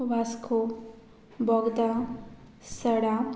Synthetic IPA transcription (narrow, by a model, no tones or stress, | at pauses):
ʋaskʰo | bɔɡd̪a | səɽa